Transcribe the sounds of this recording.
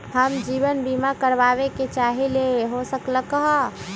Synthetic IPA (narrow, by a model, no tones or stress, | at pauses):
ɦəmd͡ʒiːʋənbimakəɾʋaβeket͡ʃaɦileɦosəkləkəɦ